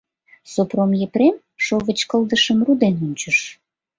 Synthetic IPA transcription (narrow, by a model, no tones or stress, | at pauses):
sopromjepɾem | ʃoβə̆t͡ɕkə̆ld̪əʃəmrud̪enunʲt͡ɕəʃ